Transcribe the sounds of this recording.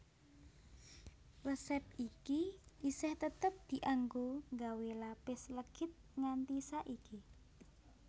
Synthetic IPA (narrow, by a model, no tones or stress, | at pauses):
ləsɛp̚ikiʔisɛht̪ət̪əp̚d̪̥i̤ʔaŋɡoŋɡawelapɪsləɡ̥ɪt̪̚ŋant̪isaʔiki